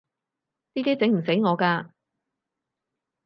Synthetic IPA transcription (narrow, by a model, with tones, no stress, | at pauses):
t̪iː˥t̪iː˥t͡sɪ˨˥ŋm̩˨˩se˨˥jŋɔː˨˧kaː˧